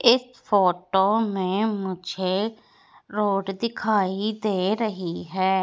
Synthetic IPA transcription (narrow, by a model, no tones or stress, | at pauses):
ɪs | pʰoːʈoːmẽːmʊd͡ʒʱeː | ɾoːɖd̪ɪkʰaːiːd̪eːɾəɦiːɦɛː